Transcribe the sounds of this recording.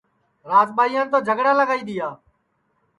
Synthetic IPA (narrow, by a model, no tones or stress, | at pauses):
ɾaːzɓaːijãːnt̪oːd͡ʒʱəɡɽaːləɡaːiːd̪ijaː